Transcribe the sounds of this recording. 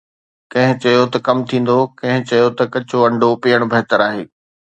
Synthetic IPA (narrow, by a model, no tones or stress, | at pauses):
kɐ̃ɦɪ̃t͡ɕɐjot̪ɐkɐmt̪ʰĩːn̆d̪okɐ̃ɦɪ̃t͡ɕɐjot̪ɐkɐt͡ɕʰoɐ̃ɳɖʱopiːəɽ̃bʱɐɦt̪əɾaːɦeː